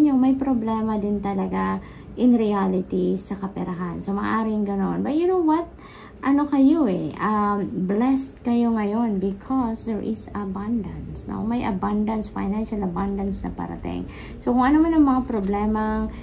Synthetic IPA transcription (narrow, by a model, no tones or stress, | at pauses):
ɲjoŋmɐjpɾoblɛːmɐd̪ɪnt̪ɐlɐɡa | ʔɪnɾialɪt̪isɐkɐpɛɾɐɦansomɐ̰ːʔaːɾɪŋɡɐno̞nbɐt̪̚jʊnowwɐt̪̚ | ʔɐnokɐjoɛʔɐmblɛst̪̚kɐjo̞ŋɐjo̞nbɪkʰɔsd̪ɛɹʔɪsɐbãnd̪ɐnsno̰mɐjʔɐ̰band̪ɐnsfa̰jnanʃɐlɐband̪ɐnsnɐ̰pɐ̰ɾɐ̰t̪ɪ̰ŋ | sokʊŋʔɐnomanɐŋmɐŋapɾoblɛːmɐŋ